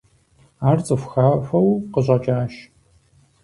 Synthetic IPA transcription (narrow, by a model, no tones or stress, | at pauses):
aːrt͡sʼɨfʷxaːɕʷɐwqəʑʼɐt͡ʃʼaːʃ